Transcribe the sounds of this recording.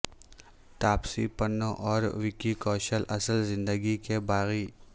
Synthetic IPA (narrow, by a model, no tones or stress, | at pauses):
t̪aːpsḭpənõʔɔːɾʋɪkikɔːʃəlʔɐsəlzɪ̃nd̪əɡikebaːɣi